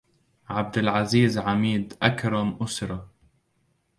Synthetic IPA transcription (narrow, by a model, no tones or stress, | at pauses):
ʕab̚d̪ɪlʕaziːzʕamiːd̪ʔakɾˤɑmʔʊsɾˤɑ